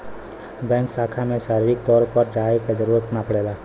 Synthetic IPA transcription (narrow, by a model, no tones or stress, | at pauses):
bɛ̃ːŋksaːkʰamẽʃaːɾiɾɪk̚t̪ɔːɾpəɾd͡ʒaːekezəɾuːɾət̪napɐɽeːlaː